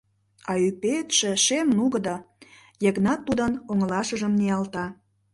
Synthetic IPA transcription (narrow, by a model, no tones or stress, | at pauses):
ɑypet̪ʃĕʃemnuɣə̆d̪o | jə̆ɣnɑt̪ːud̪ənoŋəlɑʃəʒəmneɑlt̪ɑ